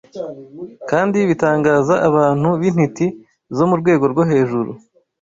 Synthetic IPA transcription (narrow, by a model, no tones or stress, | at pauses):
kaːndiβitaːŋɡaːzaʔːβaːn̥huβin̥hiti | zo̞muɾɡwe̞ːɡo̞ɾɡoɦe̞ːʒuɾṵ